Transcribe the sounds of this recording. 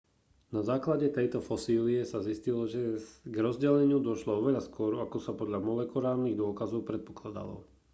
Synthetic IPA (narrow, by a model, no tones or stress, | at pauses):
nazaːklaɟɛt̪ɛjt̪ɔfɔsiːliɛsaziscilɔʒɛɡɾɔzɟɛlɛɲɪud̪ɔʃlɔɔʋɛʎaskʊɔɾɔakɔsapɔd̪ʎamɔlɛkɔɾaːlniɣd̪ʊɔkazɔʊpɾɛt̪̚pɔ̥klad̪a̰lɔ̰